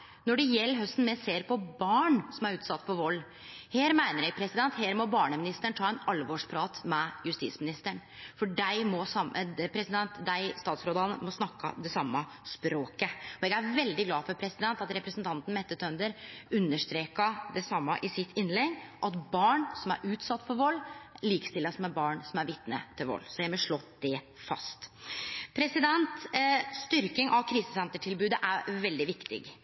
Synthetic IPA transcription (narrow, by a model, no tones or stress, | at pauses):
nɔɖɛjɛlːɦœst̪n̩mɛseːɾpʰɔbɑːɳsɔmæɾʉːt̪sɑt̪ːpʰɔʋɔlː | heːɾmæɪnəɾjɛɡpʰɾɛsɪd̪ɛnt̪heːɾmɔbɑːɳəmɪnɪst̪əɳt̪ʰɑːɛnɑlʋɔʂpʰɾɑːt̪mɛjʉst̪ḭːsmɪnɪst̪əɳfɔɖæɪmɔsɑmpʰɾɛsɪd̪ɛnt̪d̪æɪst̪ɑːt̪sɾoːd̪ɑnəmɔsnɑkːɑ̰d̪ɛsɑmːɑ | spɾoːkəɔɛɡæɾʋɛld̪ɪɡlɑːfɔɾpʰɾɛsɪd̪ɛnt̪ɑt̪ɾɛpɾɛsnt̪ʰɑnt̪n̩mɛt̪ːət̪ʰœnd̪əɾʉnːəʂt̪ɾeːkɑd̪ɛsɑmːɑʔɪsɪt̪ʰːɪnlɛɡːʔɑt̪bɑːɳsɔmæ̰ɾʔʉːt̪sɑt̪ːfɔɾʋɔlːliːkə̥st̪ɪlːəsmɛbɑːɳsɔmæɾʋɪt̪nə̰t̪ʰɪlʋɔ̰lːsɔjæɪmɔʂɭɔd̪̥ɛ | fɑ̰st̪pʰɾɛsɪd̪ɛnt̪st̪ʏɾkɪŋʔɑʋkʰɾiːsəsɛnt̪əʈʰɪlbʉːd̪əʔæɾʋɛld̪ɪʋɪkt̪ɪ̰ɡ